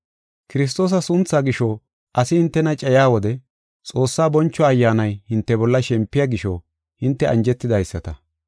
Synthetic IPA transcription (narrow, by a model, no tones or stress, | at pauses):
kɪɾɪs̬t̪o̞ːs̬ɐsʊnt͡sːaːɡɪʃɔ | ʔɐsɪhɪnt̪ːɛnɐt͡ʃʼɛjaːwɔd̪ɛ | t͡sʼo̞ːsːaːbɔnt͡ʃːɔɐjːaːnɐjhɪnt̪ːɛbɔlːɐʃɛmpːɪjaɡɪʃɔ̰ | hɪnt̪ːɛʔɐnd͡ʒɛt̪ːɪd̪ɐjsːɐt̪ɐ